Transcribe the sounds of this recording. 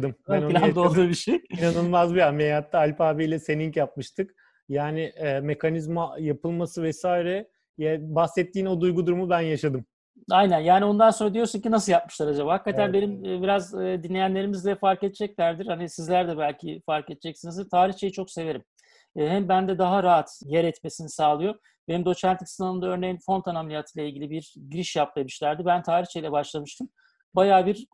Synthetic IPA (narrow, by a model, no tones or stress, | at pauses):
d̪ɯmhanoilʲd̪olˠuɾbiʃejanɯlˠmazbijamejat̪ʰːaalʲpaːbijlʲɛse̞niŋcjap̚mɯʃt̪ʰɯk | jaːnɪːme̞kanizmajapɯlˠmasɯvɛsaːiɾɛ | jɛbahsɛt̪ːiːno̞d̪ujɡud̪uɾumubænjaʃad̪ɯm | ajnænjaːnio̞nd̪anso̞nɾad̪ijo̞ɾsuncinasɯljap̚mɯ̥ʃlˠaɾad͡ʒamhakːat̪ʰænbe̞nimbiɾazːd̪inlʲe̞jænlʲe̞ɾimizlʲɛfaɾket̪̚d͡ʒɛclʲæɾd̪iɾ̥hanisizlʲæɾd̪ɛbælʲcʰifaɾked̪̚d͡ʒɛcsinizt̪ʰaːɾiçt͡ʃʰe̞jit͡ʃʰo̞kse̞ve̞ɾimː | ɦɛmbænd̪ɛd̪aɦaɾaɦat̪jɛɾɛt̪me̞sinisaːlˠɯjo̞ | benimd̪o̞t͡ʃʰænt̪i̥ksnalˠɯnd̪aøɾnejinfo̞nt̪anamlʲijat̪ʰɯlʲˠailʲɟʲilʲibiɾɟiɾiʃjap̚lˠemɯʃlʲæɾd̪ibænt̪ʰaːɾiht͡ʃʰe̞jilʲɛbaʃlˠamɯʃt̪ʰɯm | bajaːbiɾ